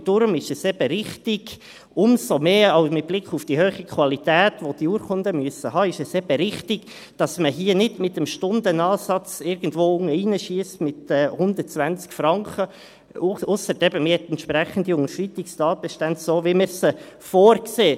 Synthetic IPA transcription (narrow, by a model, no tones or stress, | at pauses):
d̥ʊɾmɪʃɛsɛb̥əɾɪχtɪɡ̥ | ʊmsomeːɑʊmɪt̚b̥lɪkχufd̥ihøːχikʰwɑlitæːtʋod̥iuːɾkʰʊndəmyəsəhɑːɪʃɛsɛb̥əɾɪχtɪɡ | d̥ɑsməɦiːənɪdmɪtəmʃtʊndənɑːsɑt͡sɪɾɡ̥ən̩dʋoːʊŋəinəʃiəstmɪtɛhʊndət̚t͡sʋænt͡skfɾɑŋkχə | ʊsəɾdɛbəmɪhɛt̪ɛntʃpɾæχən̩diʊŋəʃrɪtɪkstɑːt̚b̥ɛʃtɛndsoːviməɾsəfoːɾkseː